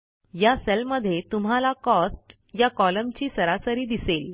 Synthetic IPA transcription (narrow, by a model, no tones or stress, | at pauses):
jaselməd̪ʱːjet̪um̤alakɔsʈ | jakɔləmt͡ɕiːsəɾasəɾiːd̪isel